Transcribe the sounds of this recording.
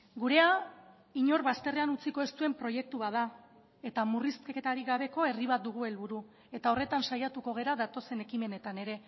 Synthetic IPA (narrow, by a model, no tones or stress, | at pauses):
ɡuɾe̞a | iɲo̞ɾβast̪e̞re̞anut͡siko̞e̞st̪ue̞mpɾo̞je̞k̚t̪uβaða | et̪amurist̪keket̪aɾiɣaβ̞e̞ko̞e̞riβat̪̚d̪uɣ̞ue̞lβuɾu | e̞t̪ao̞re̞t̪ansajat̪uko̞ɣ̞e̞ɾaðat̪o̞se̞ne̞kime̞ne̞t̪ane̞ɾe̞